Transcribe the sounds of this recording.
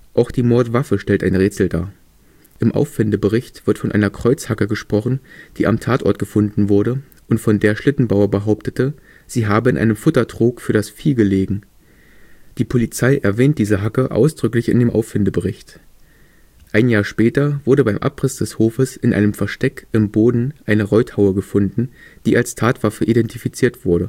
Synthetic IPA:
ʔaʊxd̥iːmɔɐtv̥afəʃtɛltaɪnʁɛːt͡sl̩da̰ːɐ | ʔɪmʔa̰ʊfːɪndəbəʁɪçtv̥ɪɐtfɔnʔa̰ɪnɐkʁ̥ɔʏt͡shakəɡəʃpʁ̥ɔχn̩d̥iːʔa̰mtʰaːtɔ̰ɐt̚ɡ̥əfʊndn̩vʊɐɾə | ʔʊntfɔndeːɐʃlɪtn̩baʊɐbəɦaʊptətə | z̥iːɦaːbəɪnʔa̰ɪnəmfʊtɐdʁ̥uːkfyːɐdasfiːɡəleːɡŋ̩ | d̥iːpʰolit͡saɪʔɛɐvɛːnt̚d̥iːzəɦakəʔa̰ʊsd̥ʁʏklɪçɪ̰ndeːmʔa̰ʊfɪndəbəʁɪçt | ʔaɪnjaːɐʃpɛːtɐvʊɐdəbaɪmʔa̰pʁɪsd̥ɛshoːfəsɪnʔa̰ɪnəmfɛɐʃtɛkɪmboːdn̩ʔaɪnəʁɔʏthaʊəɡəfʊndn̩d̥iːʔalstʰaːtv̥afəʔidɛntifit͡siːɐtv̥ʊɐɾə

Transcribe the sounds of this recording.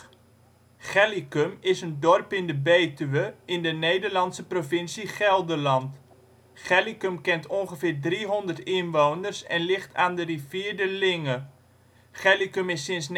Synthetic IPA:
χɛlikəmɪsəndɔrpɪndəbeːtyʋəɪndənejdəɹlɑnsəprovɪnsiχɛlˠdəlɑnt | χɛlikəmkɛntɔŋχəvɪːɹdriɦɔndərtɪnʋownərsɛ̰nlɪχtʰaːndəriviːɹdəlɪŋə | χɛlikəmɪsːɪnsn

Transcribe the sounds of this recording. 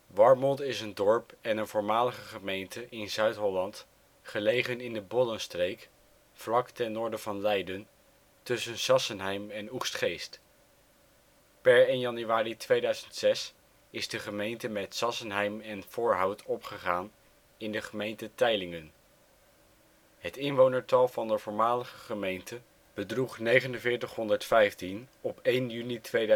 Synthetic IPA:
ʋɑɹmɔnˠtɪsəndɔɹpɛnənvʊːɹmaːləχəχəmejntəʔɪnzœɥtɦɔlɑnt | χəlejχənɪndəbɔlənstrejk | flɑktɛnʊːɹdəvɑnlɛjdən | tɵsənzɑsənɦɛjmɛnuχstχejst | pɛɹejnjɑnyʋaːritʋejdœɥzəntsɛs | ɪzdəχəmejntəmɛtsɑsənɦɛjmɛnv̥ʊːɹɦɑwtʰɔpχəχaːn | ɪndəχəmejntətɛjlɪŋən | ɦətɪnʋownəɹtɑlˠvɑndəvʊːɹmaːləχəχəmejntə | b̥ədruχnejχənənvɪːɹtəχɦɔndəɹtfɛjftinɔpejnjynitʋej

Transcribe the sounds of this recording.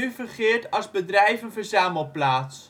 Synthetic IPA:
yvərχɪːɹtɑlˠzbədrɛjvənvəɹzaːməlˠplaːts

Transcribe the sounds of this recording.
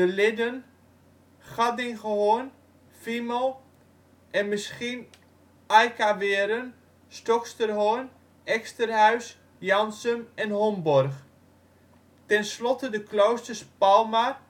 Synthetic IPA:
dəlɪdən | χɑdɪŋχəhoːn | fiməlˠ | ʔɛnməsxin | ajkaʋɪəɾən | stɔkstərɦoən | ɛkstərɦœɥs | jɑnsəmɛnɦɔmbɔrχ | tɛnslɔtədəklowstərspalˠma

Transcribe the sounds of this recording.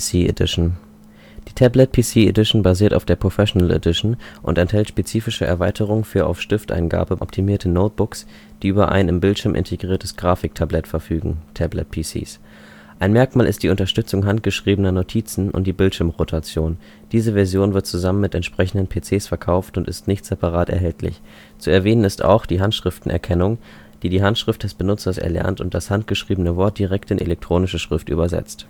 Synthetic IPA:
siːḛdɪʃn̩ | d̥iːtʰɛblɛt̚pʰiːsiːedɪʃn̩baziːɐta̰ʊfd̥eːɐpʁ̥ofɛʃonəlḛdɪʃn̩ʔʊ̰ntɛnthɛltʃpet͡siːfɪʃəʔɛ̰ɐvaɪtʰəʁ̞ʊŋfyːɐʔa̰ʊfʃtɪftʔa̰ɪnɡa̰ːbəʔɔ̰p̚tʰimiːɐtʰənoʊt̚b̥ʊks | d̥iːʔyːbɐʔa̰ɪnɪmbɪltʃɪɐmʔɪ̰ntʰeɡʁiːɐtʰəsɡ̥ʁaːfɪk̚tʰablɛtfɛɐfyːɡŋ̩tʰɛblɛ̰t̚pʰiːsḭːs | ʔaɪnmɛɐkmaːlʔɪst̚d̥iːʊntɐʃtʏt͡sʊŋɦant̚ɡ̥əʃʁ̥iːbənɐnotʰiːt͡sn̩ʔʊ̰ntd̥iːbɪltʃɪɐmʁotʰat͡sjoːn | d̥iːzəvɛɐzjoːnvɪɐtt͡suzamənmɪtɛntʃpʁ̥ɛçn̩dənpʰeːt͡seːsfɛɐkʰaʊftʊntɪstnɪçtz̥ɛpaʁ̞aːtɛ̰ɐɦɛltʰlɪ̰ç | t͡suɛɐveːnənɪsta̰ʊxd̥iːɦantʃʁ̥ɪftn̩ʔɛ̰ɐkʰɛnʊŋ | d̥iːdiːɦantʃʁ̥ɪft̚d̥ɛsb̥ənʊt͡sɐsɛ̰ɐlɛ̰ɐntʊnt̚d̥ashant̚ɡ̥əʃʁ̥iːbənəvɔɐt̚d̥iʁɛk̚tɪnʔḛlɛk̚tʁ̥oːnɪʃəʃʁ̥ɪftʔy̰ːbɐzɛ̰t͡st

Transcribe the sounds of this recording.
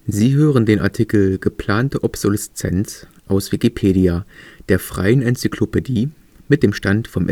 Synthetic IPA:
ziːɦøːʁ̞əndeːnʔa̰ɐtʰikl̩ɡ̥əpʰl̥aːntəʔɔpz̥olɛst͡sɛ̰nt͡s | ʔaʊsv̥ikipʰeːdiad̥eːɐfʁ̥a̰ɪənɛnt͡sikʰlopediː | mɪt̚d̥eːmʃtantfɔmʔɛ

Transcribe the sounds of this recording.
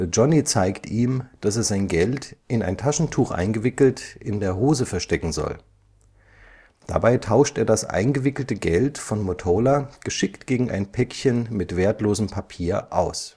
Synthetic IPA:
d͡ʒɔnit͡saɪktʰiːmd̥aseːɐzaɪnɡɛltʔɪna̰ɪntʰaʃn̩tʰuːxʔa̰ɪnɡəvɪkl̩tʔɪndeːɐɦoːzəfɛɐʃtɛkŋ̩zɔ̰l | d̥a̰baɪtʰaʊʃtʔeːɐdasʔa̰ɪnɡəvɪkl̩təɡɛltfɔnmotʰolaɡ̥əʃɪktɡ̥eːɡŋ̩ʔa̰ɪnpʰɛkçənmɪtv̥eːɐtloːzəmpʰapʰiːɐʔa̰ʊs

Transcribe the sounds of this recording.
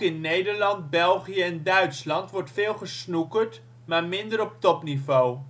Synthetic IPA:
ɪnːejdəɹlɑnt̚bɛlˠχijəɛndœɥtslɑntʋɔɹtfɪːlˠχəsnukəɹt | maːɹmɪndəɾɔp̚tɔpnivow

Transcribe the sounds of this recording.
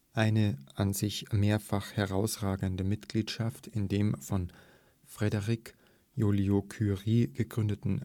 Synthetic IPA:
ʔaɪnəʔanzɪçmeːɐfaχhɛʁaʊsʁaːɡəndəmɪtɡ̥liːtʃaftʰɪndeːmfɔn | fʁ̥ɛdəʁik | juliokʰyʁiːɡ̥əɡ̥ʁʏndətn̩

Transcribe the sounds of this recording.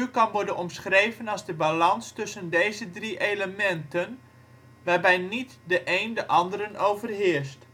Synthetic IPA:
ykɑnʋɔɹdənɔmsχrejvənɑlˠzdəbalɑnstɵsəndejzədriʔeləmɛntən | ʋarbɛjnitdəʔejndəʔɑndəɾənʔowvərɦɪəst

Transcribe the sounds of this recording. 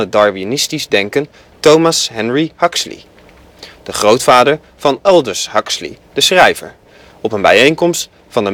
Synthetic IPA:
ədɑɹvinɪstizdɛŋkən | towmasɦɛnɹihɑkslḭ | d̥əχrowtfaːdəɹ | v̥ɑnɛlˠdəɹsɦɑkslḭd̥əsχrɛjvə̰ɹ | ɔpənbɛ̰jejŋkɔmst | fɑndə

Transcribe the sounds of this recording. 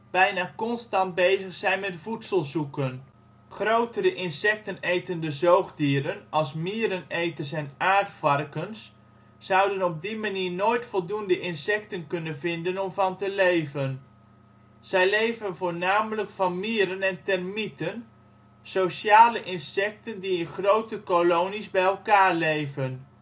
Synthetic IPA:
b̥ɛjnaːkɔnstɑnt̚bejzəχsɛjnmɛtfutsəlˠzukən | χrowtəɾəʔɪnsɛk̚tənejtəndəzowɣdiːɾənɑlˠsmiːɾənejtərs̬ɛnaːɹtfɑrkəns | zʌwdənɔb̚dimaniːɹnoːjtfɔlˠdundəʔɪnsɛktənkɵnənvɪndənɔmvɑntəlejvən | z̥ɛjlejvənvoːɹnaːmələkfɑnmiːɾənɛntɛrmitən | sowʃaːləʔɪnsɛktəndiɪnχrowtəkolownizbɛjɛlˠkaːɹlejvən

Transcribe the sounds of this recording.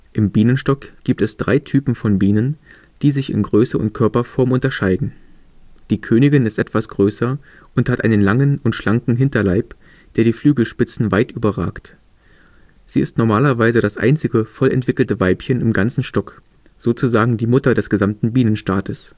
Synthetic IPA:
ʔɪmbiːnənʃtɔkɡ̥iːp̚tɛsd̥ʁaɪtʰyːpm̩fɔnbiːnən | d̥iːzɪçɪ̰nɡʁøːsəʊ̰ntkʰœɐpɐfɔɐmʔʊntɐʃaɪdn̩ | d̥iːkʰøːnɪɡɪnɪstʔɛtv̥asɡ̥ʁøːsɐ | ʔʊnthatʔaɪnənlaŋənʊntʃlaŋkŋ̩ɦɪntɐlaɪp | d̥eːɐɾiːflyːɡl̩ʃpɪt͡sn̩vaɪtʔyːbɐʁa̰ːkt | z̥iːɪstnɔɐmaːlɐvaɪzəɾasʔa̰ɪnt͡sɪɡəfɔlɛ̰ntv̥ɪkl̩təvaɪpçənɪmɡant͡sn̩ʃtɔk | z̥oːt͡suzaːɡŋ̩diːmʊtɐdɛsɡ̥əzamtn̩biːnənʃtaːtʰəs

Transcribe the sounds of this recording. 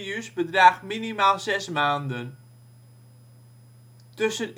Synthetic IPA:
jysbədraːχminimaːlˠsɛsmaːndən | tɵsən

